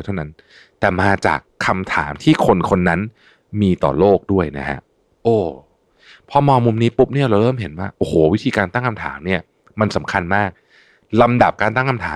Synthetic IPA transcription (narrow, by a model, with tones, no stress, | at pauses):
t̪ʰa˥˩na˦˥n | t̪ɛː˨˩maː˧t͡ɕa̰ː˨˩kʰːa˧mt̪ʰa̰ː˩˦mt̪ʰiː˥˩kʰo˧nkʰo˧nːa˦˥n | miː˧t̪ɔ̰ː˨˩loː˥˩k̚du˥˩əjna˦˥kʰa̰˦˥ʔ | ʔoː˧˩ | pʰɔ˧mɔː˧ŋmu˧mniː˦˥pu˦˥p̚ni˥˩ɐɾa˧wɾɤː˥˩mɦe˨˩˦nwaː˥˩ʔoː˧˩hoː˩˦wi˦˥t̪ʰiː˧kaː˧nt̪a˥˩ŋkʰa˧mt̪ʰaː˩˦mni˥˩ɐ | ma˧nsa˩˦mkʰa˧nmaː˥˩k̚ | la˧mda˨˩p̚kaː˧nt̪a˥˩ŋkʰa˧mt̪ʰa̰ː˩˦